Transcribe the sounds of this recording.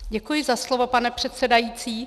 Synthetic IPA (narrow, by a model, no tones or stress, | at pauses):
ɟɛkujɪzaslovopanɛpr̥ɛt̪sɛdajiːt͡siː